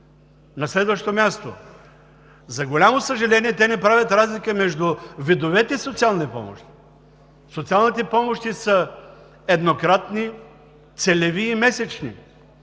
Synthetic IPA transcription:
nɐslɛd̪vəʃt̪omʲjast̪o̰ | zɐɡolʲamosəʒɛlɛniɛt̪ɛnɛpɾavʲət̪ɾazlikəmɛʒd̪uvid̪ovɛt̪ɛisot̪sialˠnipɔ̰mo̰ʃt̪i̥ | sot̪sialˠnit̪ɛpɔmoʃt̪isə | ɛd̪nokɾat̪ni | t̪sɛlɛviːmɛsɛt͡ʃnḭ

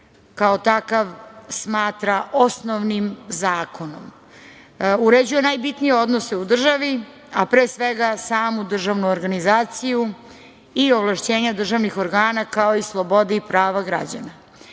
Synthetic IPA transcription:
kaot̪akaʋsmaːt̪ɾaʔo̞snoʋnimzaːko̞nom | uɾed͡ʑuje̞najbit̪nijeo̞d̪noseud̪r̩ʒaʋi | apɾeːsʋe̞ɡasaːmud̪r̩ʒaʋnuoɾɡanizaːt̪siju | ioʋlˠaʃt͡ɕe̞ːɲad̪r̩ʒaʋnixo̞ɾɡaːnakao̞islˠo̞bo̞d̪iipɾaːʋaɡɾa̰d͡ʑa̰na

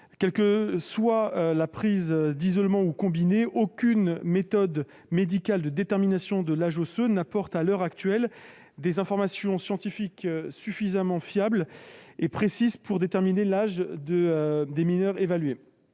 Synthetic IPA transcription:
kʲɛlkəswaølapχizd̪izɔlmɑ̃ukɔ̃bineʔokʲynmet̪ɔd̪ | med̪ikald̪əd̪et̪ɛʁminasjɔ̃d̪əlaʒosønapɔʁt̪alœʁak̚t̪ɥɛl | d̪ezɛ̃fɔʁmasjɔ̃sjɑ̃t̪ifiksyfizamɑ̃fjablepχesizpʰuʁd̪et̪ɛʁminelaʒd̪əd̪eminœʁevalɥe

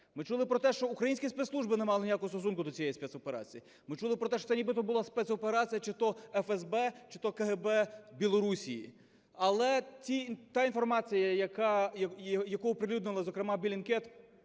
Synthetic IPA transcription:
mɪt͡ʃulˠɪpɾɔt̪ɛʃt͡ʃɔukɾɐjinʲsʲkʲispeɛt̪slˠuʒbɪnɛmɑlˠɪnʲijakʊɦɔst̪ɔs̬unkʊd̪ɔt͡sʲijɛjispɛt̪sɔpeɾɑ̰t͡sʲiji | mɪt͡ʃulˠɪpɾɔt̪ɛʃt͡ʃɔ̥sɛnʲibɪt̪ɔbʊlˠɑspɛt̪sɔpeɾɑt͡sʲijɐt͡ʃɪt̪ɔɛfɛzbɛt͡ʃɪ̥t̪ɔkɐɦɛbɛbʲilˠɔɾusʲijḭ | ɐlˠɛt͡sʲit̪ɑinfɔrmɑt͡sʲijɐjɐkɑ | jɐkɔɔpɾɪlʲud̪nɪlˠɐzɔkɾemɑbʲilʲinkɛt̪

